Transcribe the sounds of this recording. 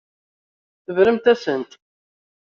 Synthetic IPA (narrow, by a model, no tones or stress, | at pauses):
θəvɾəmt̪æsənt̪